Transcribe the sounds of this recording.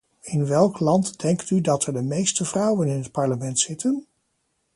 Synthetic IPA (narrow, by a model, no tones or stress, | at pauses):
ɪnʋɛlˠklɑntdɛŋktydɑtɛɹdəmejstəvrʌwənɪnɦət̚pɑɹləmɛntsɪtən